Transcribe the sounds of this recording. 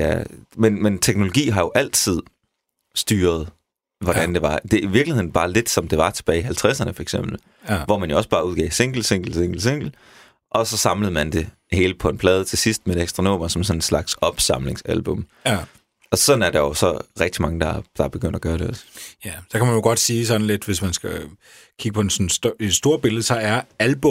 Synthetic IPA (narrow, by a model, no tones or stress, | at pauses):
jæmenment͡sʰeɡ̥no̝lo̝ɡ̥ḭːɦɑ̈jo̝ʔæl̰t͡sʰið̞̰ˠ | sd̥yːɐð̞ˠ | ʋɒdɾ̥ænd̥e̝ʋɑ̈d̥e̝iʋiɐɡ̥lihe̝ð̰ˠn̩b̥ɑ̈ːle̝d̥sɒ̽md̥e̝ʋɑ̈t͡sʰe̝̥b̥ɛːɪiɦælt͡sʰʁæsɐnəfɒɐeɡ̥sem̰b̥l̩ | ʋɒmænjo̝ɒ̽sb̥ɑ̈ːuð̞ˠɡ̥ɛ̰ɪse̝ŋ̰ɡ̥l̩se̝ŋ̰ɡ̥l̩seŋɡ̥l̩se̝ŋ̰ɡ̥l̩ | ʔɒ̽sɒ̽sɑ̈mləð̞̩ˠmænd̥e̝ | he̝ːləpʰɒ̽e̝npʰlɛːð̞ˠt͡sʰe̝sisd̥meedeɡ̥sd̥ʁɑno̝̰ːmɐsɒ̽msɒ̽ne̝nslɑ̈ɡ̥sɒ̽b̥sɑmle̝ŋsælb̥ɔ̽m | ɒ̽sɒ̽n̩æɐd̥ɑ̈jo̝sɒ̽ʁɛɡ̥̚d̥imɑ̈ŋəd̥ɑd̥ɑ̈b̥eɡ̥øn̰d̥æɡ̥ɶːɐɾe̝ɒ̽sjæsɒkʰæmænjoɡ̥ɒ̽d̥siːsɒ̽n̩led̥ʋe̝smænsɡ̥æ | kʰiɡ̥əpʰɒ̽ensɒn̩se̥sd̥o̝ːɐb̥e̝lð̩ˠəsɒ̽æɐælb̥ɔ